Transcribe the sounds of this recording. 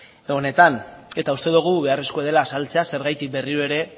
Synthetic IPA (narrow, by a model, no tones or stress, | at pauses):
one̞t̪ane̞t̪aust̪e̞ðuɣ̞uβe̞areskoeð̞e̞laːsalt͡se̞ase̞ɾɣajt̪ik̚be̞riɾoe̞ɾe̞